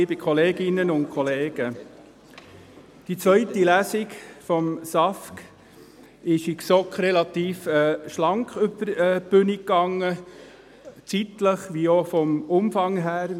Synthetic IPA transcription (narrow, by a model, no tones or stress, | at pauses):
ibɪkʰɔleːɡɪnːənʊnt̚kʰɔleːɡ̥ə | d̥it͡sʋœʏtilæsɪkfɔmsɑfk | ɪʃiksɔkχɾɛlɑt̪iːfɛːʃlɑŋkχʉb̥əɾɛːbʉnikːɑŋːə | t͡sit̪ləχʋiofɔmʊmfɑŋɦæːɾ